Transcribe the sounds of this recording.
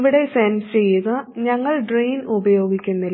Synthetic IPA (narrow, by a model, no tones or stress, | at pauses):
ʋiɽe̞sensɨt͡ɕe̞jːɐnɨɲɐŋːɐɭɖrejnubɐjo̞ːɡikʲːunːil